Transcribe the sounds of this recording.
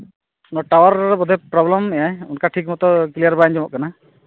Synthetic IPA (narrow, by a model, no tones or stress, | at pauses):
nɔʈawaɾbɔd̪ʱɛpɾɔblɔmɛjajunkaʈʰikmɔt̪ɔklijəɾbajnd͡ʒɔmɔ̰ʔkana